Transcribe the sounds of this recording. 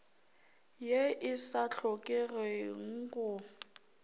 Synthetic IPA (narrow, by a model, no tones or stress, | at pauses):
jeʔɪsaɬʰɔkʼɛreŋ̩kʼʊ